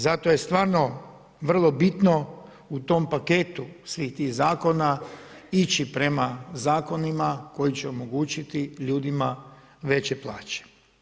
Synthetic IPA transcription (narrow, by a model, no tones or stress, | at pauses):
zat̪oje̞st̪ʋaːɾno̞ | ʋr̩lˠo̞bit̪no̞ | ut̪o̞mpaket̪usʋiːxt̪iːxzaːko̞nait͡ʃipɾe̞mazaːko̞nimako̞jit͡ɕeo̞mo̞ɡuːt͡ʃit̪iʎuːd̪ima | ʋe̞t͡ɕe̞plˠa̰ːt͡ʃe̥